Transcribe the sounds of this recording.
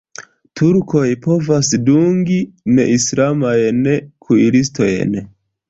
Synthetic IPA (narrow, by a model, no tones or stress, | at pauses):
tʰuɾko̞jpo̞vasduŋɡine̞̰ʔislamajnekʰuilisto̞jḛn